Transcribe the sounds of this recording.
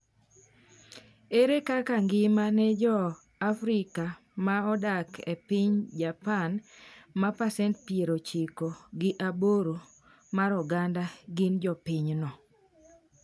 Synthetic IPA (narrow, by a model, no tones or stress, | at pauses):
eɾekakaŋɡɪmanɛd͡ʒɔ | afɾɪka | maɔdakepɪɲd͡ʒapanmapasɛntpieɾot͡ʃikoɡɪʔaboɾo | maɾɔɡandaɡɪnd͡ʒɔpɪɲnɔ